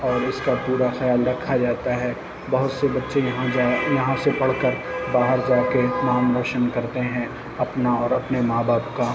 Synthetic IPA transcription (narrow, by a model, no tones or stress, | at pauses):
ɔːɾɪskapuːɾaxɐjaːlɾɐkʰːad͡ʒaːt̪aɦɛː | bɐɦʊt̪sebɐtːʃeɦãajɐɦãsepɐɽ̤kəɾ | baːɦəɾzaːkenaːmɾɔːʃənkɐɾt̪eɦɛ̃ | ɐpnaɔːɾɐpnemaːbaːpka